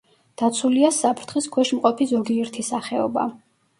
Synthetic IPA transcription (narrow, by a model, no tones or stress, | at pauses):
d̪̥at̪sʰuliasapʰɾt̪ʰχiskʰwɛʃmqʼɔpʰizɔɡiɛɾt̪ʰisaχɛɔba̰